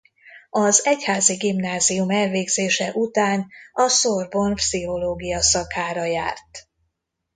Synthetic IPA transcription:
ɒzɛchaːziɡimnaːzijumɛlveːɡz̥eːʃɛʔut̪aːnɒsorbo̞npsiɦo̞loːɡijɒsɒkaːɾɒja̰ːrt̪

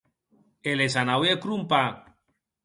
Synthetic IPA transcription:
elesanawekɾumpa

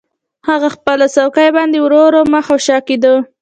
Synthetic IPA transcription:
haɣaxpəlasawkajbɑnd̪ewɾoɾomaxoʃɑked̪o

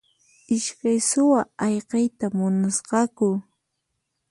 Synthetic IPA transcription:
ɪʃkajsʊwaɑjqɑjt̪amʊnasqɑkʊ

